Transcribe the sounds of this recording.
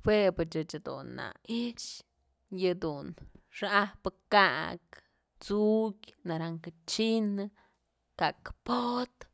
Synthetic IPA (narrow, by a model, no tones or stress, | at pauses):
hwepɨt͡ʃɨt͡ʃad̪ṵnːa̰it͡ʃ | jɨd̪unʂahpɨkaʔk | t͡sukʲnaɾaŋkɨt͡ʃinɨ | kakpot̪